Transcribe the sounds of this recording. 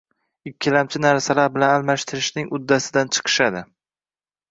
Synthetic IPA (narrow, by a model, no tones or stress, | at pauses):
ɪkʲʰːɪlamt͡ʃʰɪnaɾsalaɾbɪlanalmaʃt̪ʰɪɾɪʃnɪŋʊd̪ːasɪd̪ant͡ʃʰɨ̥qʰɨ̥ʃad̪ɪ